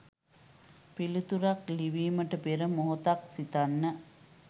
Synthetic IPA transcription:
pilut̪uɾakliʋiːməʈəpeɾəmoɦot̪aksit̪anːə

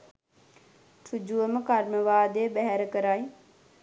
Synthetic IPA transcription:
ʈʰud͡ʑuəmkaːɾməʋaːd̪eːbɛɦɛɾkəɾaːi

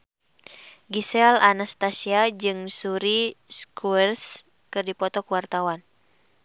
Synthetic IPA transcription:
ɡisɛlanast̪asiad͡ʒɨŋsuɾiskuɛrs | kɨrdipɔt̪ɔkuwart̪awan

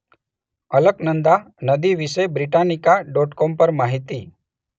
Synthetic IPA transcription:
ələknənd̪a | nəd̪iʋisəjbɾiʈanikaɖɔːʈkompəɾmaɦit̪i

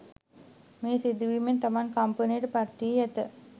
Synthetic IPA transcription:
meːsid̪uʋiment̪amankampənijəʈəpaɾt̪ijæt̪ə

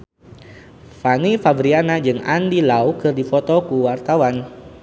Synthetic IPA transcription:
fanifabɾianad͡ʒɨŋandilawkɨrdifɔt̪ɔkuwart̪awan

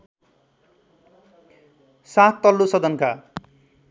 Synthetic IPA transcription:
sat̪ːʌlːusʌd̪ʌnka

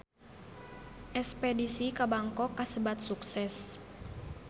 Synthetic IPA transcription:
ʔɛspedisikabaŋkɔkːasəbat̪̚suksɛs

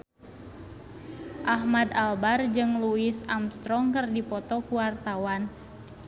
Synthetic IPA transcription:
ʔahmad̪albard͡ʒɨŋluisamst̪ɾɔŋkərdipɔt̪ɔkuwart̪awan

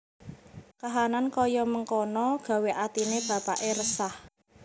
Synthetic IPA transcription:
kaɦanankɔjɔməŋkɔnɔɡ̥ä̤weʔat̪ineb̥ä̤paʔeɾəsah

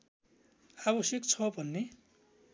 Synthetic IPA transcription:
abʌsik̚t͡sʰʌbʱʌnːe

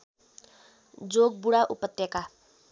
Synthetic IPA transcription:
d͡zoɡ̚buɽaʔupʌt̪jʌka

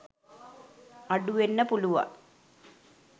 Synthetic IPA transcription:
aɖuʋenːəpuluʋa̰

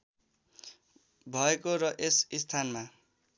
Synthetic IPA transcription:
bʱʌekorʌʔesist̪ʰanma

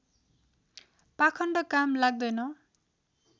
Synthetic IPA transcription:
pakʰʌɳɖʌkamlaɡ̚d̪ʌjnʌ

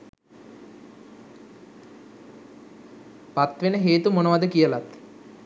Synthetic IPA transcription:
pat̪ʋenəɦeːt̪umonəʋad̪əkijəlat̪

